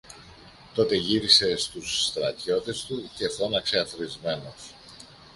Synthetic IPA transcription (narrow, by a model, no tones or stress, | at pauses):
t̪o̞t̪e̞ʝiɾise̞st̪usːt̪ɾɐt̪ço̞t̪e̞st̪uce̞θo̞nɐkse̞ɐθɾizme̞nos